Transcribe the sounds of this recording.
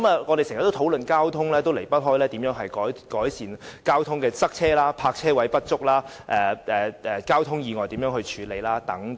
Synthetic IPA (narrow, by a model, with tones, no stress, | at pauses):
maː˨˧ŋɔː˨˧ɾe˨jsŋɐ˨˩t̪ːo˥wt̪ʰo˨˥wlɵ˨nkaː˥wt̪ʰʊ˥ŋlɛː˥t̪o˥wle˨˩jpɐ˥t̚ɦɔː˥jlɛː˥t̪i˨˥mjœː˨˥ŋɦɐ˨jkɔː˨˥jkɔː˨˥jsiː˨˩nkaː˥wt̪ʰʊ˥ŋkɛː˧t͡sɐ˥k̚t͡sʰɛː˥laː˥pʰaː˧k̚t͡sʰɛː˥wɐ˨˥jpɐ˥t̚t͡sʊ˥k̚laː˥ | ʔɛː˨ɛː˨ʔɛː˨kaː˥wt̪ʰʊ˥ŋjiː˨˧ŋɔː˨˩jt̪iː˨˥mjœː˨˧˥ŋhɵ˧ɥt͡ʃʰyː˨˧le˨jlaː˥t̪ɐ˨˥ŋ